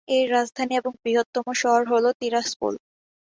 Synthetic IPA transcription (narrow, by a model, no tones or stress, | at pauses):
eɾad͡ʑd̪ʱanieboŋbɾiɦot̪ːomoʃɔɦoɾɦolot̪iɾaspo̰l